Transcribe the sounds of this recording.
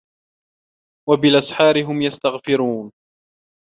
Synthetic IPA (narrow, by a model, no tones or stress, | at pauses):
wabɪlʔasħɑːɾɪɦʊmjast̪aɣfɪɾuːn